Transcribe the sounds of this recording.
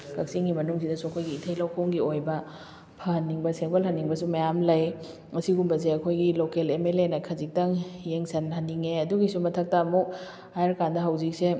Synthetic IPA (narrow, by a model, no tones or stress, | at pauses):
kɐk̚siŋɡimɐnuŋsidɐsuɐkʰojɡiːtʰɐjlɐwkʰowŋɡiojbɐ | pʰɐhɐnːiŋbɐseŋpɐlɦɐnːiŋbɐs̬umɐjamlɐj | ɐsiɡumbɐs̬eɐkʰojɡilokelemelenɐkʰɐzik̚tɐŋjeŋsɐnhɐnːiŋeɐduɡisumɐtʰɐk̚tɐːmuk̚ | ajeɾkandɐɦɐwzik̚se